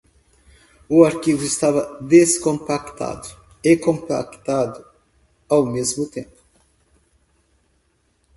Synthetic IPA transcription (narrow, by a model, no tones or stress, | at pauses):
uaɾkivʊɪst̪avɐd̪eskõmpakt̪a̰d̪ʊ | ekõmpa̰kt̪ad̪u | awmezmut̪ẽmpʊ̥